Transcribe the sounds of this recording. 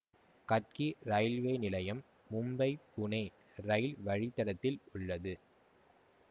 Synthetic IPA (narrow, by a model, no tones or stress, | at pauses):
kɐʈ̚kiɾɐjlʋɐɪnɪlɐjɐmː | ʊmbɐɪpːʊnɐː | ɾɐɪlʋɐɻɪt̪ːɐɽɐt̪ːɪlʊɭːɐðɯ